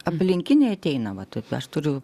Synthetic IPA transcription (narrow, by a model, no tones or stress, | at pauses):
ɐpʲlʲɪŋʲkʲɪnʲɛɪɐt̪ʲɛɪnɐʋɐt̪ɐɪpɐʃt̪ʊɾʲʊ